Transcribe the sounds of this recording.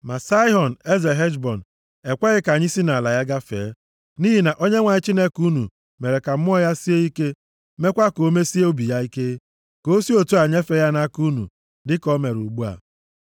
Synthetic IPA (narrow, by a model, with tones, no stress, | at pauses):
ma˨sa˦i˦ɦɔ˨n˨e˦ze˨ɦe˦d͡ʒbɔ˨n˨ | e˨kʷa˦ɣɪ˦ka˨ɲi˦si˦na˨la˨ja˦ɡa˦fḛː˨˦ | ni˦ɦi˨na˨ʔo˦ɲe˦ŋʷa˨ɲɪ˦t͡ʃi˦ne˦ku˦nu˨ | me˨ɾe˨ka˨m̩˦m˦ɔ˦ja˦si˦e˦i˦ke˦ | me˦kʷa˦ko˦me˦si˦o˦bi˨ja˦i˦ke˦ | ko˦si˦o˨tu˦a˨ɲe˦fe˦ja˦na˦ku˦nṵ˨ | dɪ˦kɔ˦me˨ɾu˨ɡ͡bu˦a̰˨